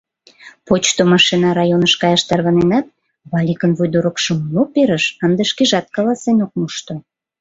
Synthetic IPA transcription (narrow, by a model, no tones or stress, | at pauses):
pot͡ɕt̪omɑʃinɑɾɑjonəʃkɑjɑʃt̪ɑrβɑnenɑt̪̚ | βɑlʲikənβujd̪oɾokʃəmlopeɾəʃɑnd̪əʃkeʒɑt̪̚kɑlɑsenok̚muʃt̪o